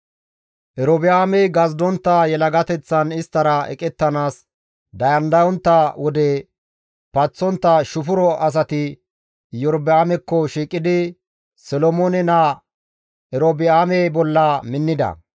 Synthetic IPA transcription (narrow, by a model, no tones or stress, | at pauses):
ʔɛɾɔbɪaːmɛɡɐzd̪ɔnt̪ːɐjɛlɐɡɐt̪ɛt͡sːɐnɪst̪ːɐɾɐɛ̰kʼɛt̪ːɐnaːs | d̪ɐjɐnd̪ɐjɔnt̪ːɐwɔd̪ɛ | pɐt͡sːɔnt̪ːɐʃʊfʊɾɔʔɐs̬ɐt̪ɪ | jɔɾbɪaːmɛkːɔʃiːkʼːɪd̪ɪ | sɛlɔmoːnɛnɐ | ɛɾobɪaːmɛbɔlːɐmɪnːɪd̪ɐ̰